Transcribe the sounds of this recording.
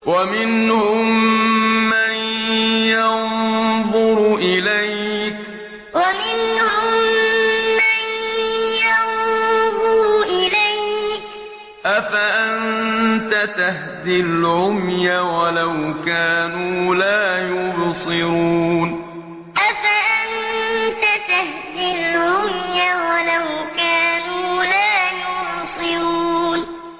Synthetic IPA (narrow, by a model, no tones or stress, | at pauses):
wamɪnhʊmː | anjɑnðˤʊɾʔɪlajk | wamɪnhʊmː | anjɑnðˤʊɾʔɪlajk | ʔafaʔant̪at̪ahd̪ɪlʕʊmjawalawkaːnuːlaːjʊbsˤɨɾuːn | ʔafaʔant̪at̪ah | d̪ɪlʕʕʊmjawalawkaːnuːlaːjʊbsˤɨɾuuːn